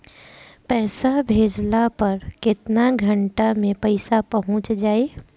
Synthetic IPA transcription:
pɛːsabʱeːd͡ʒlapɐɾkɪt̪naɡʱəɳʈamẽpɐɪsapɐɦʊ̃t͡ʃd͡ʒaːeː

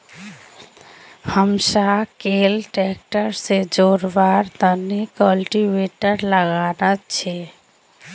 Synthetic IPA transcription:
həmsakelʈek̚ʈəɾsed͡ʒoɾbaɾt̪ənikəlʈiʋeʈəɾləɡanət͡ʃʰɛ

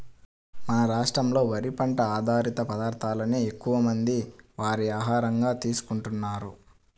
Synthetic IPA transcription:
mɐnɐɾaːʂʈɾɐmlo̞ːʋɐɾipɐɳʈɐaːd̪ʱaːɾit̪ɐpɐd̪aːɾt̪ʰaːlɐneekːuʋɐmɐnd̪iʋaːɾiaːɦaːɾɐŋɡaːt̪iːsu̥kuɳʈunːaːɾu

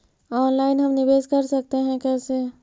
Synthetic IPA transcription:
ɔːnlaɪnɦəmnibeːskəɾsək̚t̪eɦɛ̃kɛse

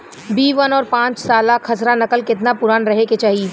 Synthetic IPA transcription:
biːʋənɔːɾpãːt͡ʃsaːlakʰɐsɾanɐkəlkɪt̪napʊɾaːnɾɐɦeket͡ʃaːɦie

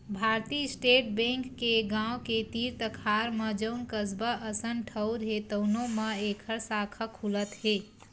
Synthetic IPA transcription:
bʱaːɾt̪isʈeːʈ̚bẽŋkːeɡãwket̪iːɾt̪əkʰaːɾməd͡ʒəʊnkəzbəʔəsənʈʰəʊɾɦet̪ənõməeːkʰəɾsaːkʰəkʰulət̪ɦeː

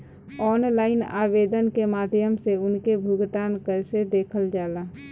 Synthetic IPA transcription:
ɔːnlaːɪna̰ːʋeːd̪ənkemaːd̪ʱjəmseʊnkebʱʊɡt̪aːnkəɾsed̪eːkʰəld͡ʒaːlaː

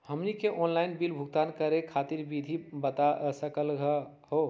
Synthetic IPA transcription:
həmnikeʔɔnlainbilbʱuɡ̚t̪ankəɾekʰat̪iɾbid̪ʱibət̪asəkəlɡə | ho

